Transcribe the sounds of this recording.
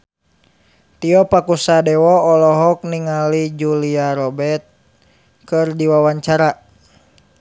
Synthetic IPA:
t̪iɔpakusadɛwɔɔlɔɦɔk̚niŋalid͡ʒuliaɾɔbɛt̪̚ | kɨrdiwawaɲt͡ʃaɾa

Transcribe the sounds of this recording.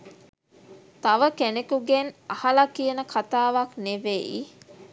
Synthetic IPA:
t̪aʋəkenekuɡenahɐlakijənəkat̪aːʋakneʋeḭ

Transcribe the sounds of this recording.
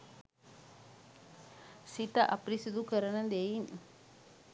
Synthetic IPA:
sit̪aʔɐpɾisid̪ukəɾənəd̪ejin

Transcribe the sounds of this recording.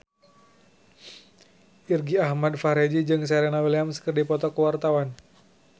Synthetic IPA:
ʔirɡiahmadfaɾed͡ʒid͡ʒɨŋs̬ɛɾenawiliamsə̥kərdipɔt̪ɔkəwart̪awan

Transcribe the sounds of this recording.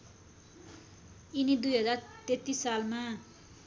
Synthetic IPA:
inid̪ujɦʌd͡zart̪et̪ːisːalma

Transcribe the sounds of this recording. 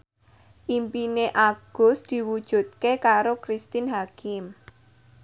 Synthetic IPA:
ʔimpineʔaɡ̥ʊ̤sd̪̥i̤wud̥ʒ̥ṳt̪̚kekaɾokɾist̪ɪnɦakɪm

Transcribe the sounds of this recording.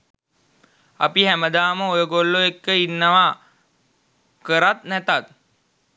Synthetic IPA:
a̰piɦæməd̪aːməojəɡolːoekːəinːəʋa | kəɾat̪nɛt̪at̪

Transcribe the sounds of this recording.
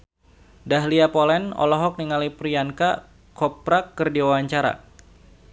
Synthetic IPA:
daɦliapɔlɛnɔ̰lɔɦɔk̚niŋalipɾianka | kɔpɾakːərdiwawaɲt͡ʃaɾa̰

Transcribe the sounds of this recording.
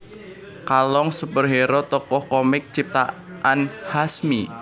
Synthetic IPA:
kalɔŋsupərɦeɾɔt̪ɔkɔhkɔmɪk̚t͡ʃip̚t̪a̰ | ʔanhasmi

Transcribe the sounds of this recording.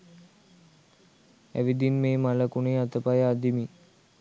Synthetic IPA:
æ̰ʋid̪inmeːmaləkuneat̪əpajad̪imi

